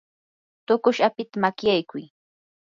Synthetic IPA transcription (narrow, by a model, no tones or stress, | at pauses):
t̪ʊkʊʃapɪt̪amakjajkʊj